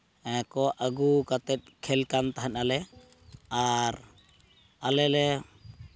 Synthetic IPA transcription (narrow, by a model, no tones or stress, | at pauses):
ɛ̃kɔʔaɡukat̪ɛt̪̚kʰɛlkant̪aɦanalɛ | aɾ | alɛlɛ